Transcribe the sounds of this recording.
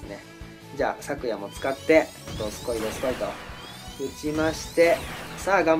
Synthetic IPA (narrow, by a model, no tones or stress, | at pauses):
ne̞ | d͡ʑa̰ːsakɯ̟jamo̞t͡sɨ̥kat̪ːe̞̥ | t̪ːosɨ̥ko̞id̪esɨ̥koit̪o̞̰ | ɯ̟t͡ɕimaɕi̥t̪e̞saːɡam